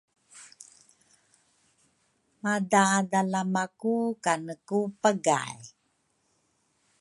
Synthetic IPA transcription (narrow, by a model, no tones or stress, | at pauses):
madadalamakukanəkupəɡa̰j